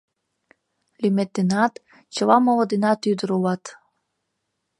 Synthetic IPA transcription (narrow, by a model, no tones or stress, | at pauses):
lʲymet̪ːenɑt̪ | t͡ɕəlɑmolɤd̪inɑt̪yd̪əɾulɑt̪